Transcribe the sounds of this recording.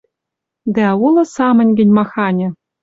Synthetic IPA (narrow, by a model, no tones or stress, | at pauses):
d̪æulˠɤ̆sɑmɤ̆nʲɡʲɘ̆nʲmɑxɑnʲɘ̆